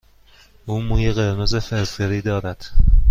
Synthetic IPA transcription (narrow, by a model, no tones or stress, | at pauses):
ʔuːmuːjeɣeɾnozefeɾfeɾiːd̪ɒːɾæd̪̥